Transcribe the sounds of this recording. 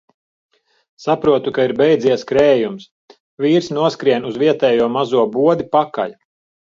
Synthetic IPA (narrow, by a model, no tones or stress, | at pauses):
sapɾuɔt̪ukaiɾbɛjd̪ziɛskɾɛːjums | viːɾsnuɔskɾiɛnuzviɛt̪ɛːjuɔmazuɔbuɔd̪ipaka̰ʎ